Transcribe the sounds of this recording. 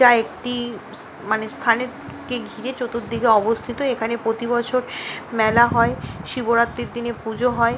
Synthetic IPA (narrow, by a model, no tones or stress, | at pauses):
aek̚ʈi | manest̪ʰaneɾ | keɡʱiɾet͡ɕot̪ot̪̚d̪iɡeɔbost̪ʰit̪oekʰanepɾot̪ibɔt͡ɕʰoɾmɛlaɦɔeʃiboɾat̪ːeɾd̪inepud͡ʑʱoɦɔe